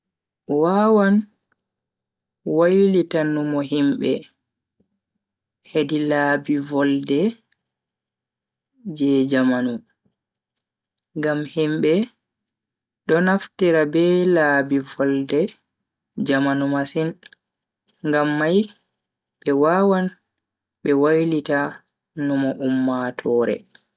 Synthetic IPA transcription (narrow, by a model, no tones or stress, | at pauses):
waːwan | wajlitanːumɔɦimɓɛ̰ | hedilaːbivɔldɛ | d͡ʒɛd͡ʒamanu | ŋɡamhimbɛ | ɗɔnaftiɾabɛlabivɔldɛ | d͡ʒamanumasin | ŋɡamːaj | ɓɛwaːwan | ɓɛwajlita | numɔʔumːatʰɔːɾɛ̰